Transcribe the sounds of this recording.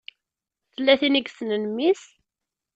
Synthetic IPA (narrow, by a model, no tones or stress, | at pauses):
θəlːæθiniɡsnənmis